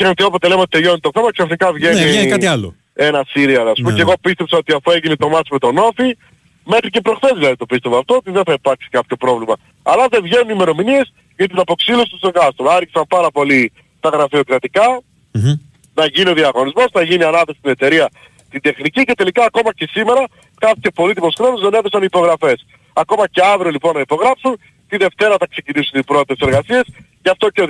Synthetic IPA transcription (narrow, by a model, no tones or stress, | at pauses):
ent̪io̞pot̪e̞le̞meot̪̚t̪eljonit̪o̞θemɐksɐfnikɐvʝe̞niɐialo̰ | e̞nɐsiɾiɐðɐspumceɣo̞pist̪e̞psɐo̞t̪iɐfue̞ʝinit̪o̞mɐsimet̪o̞no̞fi | me̞xɾicepɾo̞xθe̞zvilɐðit̪o̞pist̪e̞voɐft̪o̞ot̪iðenθɐipɐɾksi̥kɐpço̞pɾo̞vlimɐ | ɐlɐðe̞vʝe̞nunime̞ɾo̞minie̞s | ʝɐt̪inɐpo̞ksilosit̪ust̪oɡɐst̪olɐɾʝisɐmpɐɾɐpo̞li | t̪ɐɣɾɐfio̞kɾɐt̪ikɐ | nɐʝinio̞ðiɐɣo̞nizmo̞snɐʝiniɐnɐθesi̥st̪ine̞t̪e̞ɾiɐ | t̪ind̪e̞xnicice̞t̪e̞likɐːko̞mɐce̞sime̞ɾɐ | kɐpcepo̞lit̪̬ipo̞sxɾonozðe̞neðe̞sɐnipo̞ɣɾɐfe̞s | ɐko̞mɐce̞ɐvɾiolipo̞nːɐipo̞ɣɾɐpsun | t̪iðe̞ft̪e̞ɾɐθɐkse̞cinisunipɾo̞t̪it̪ese̞ɾɣɐsiɐsceɐft̪o̞ce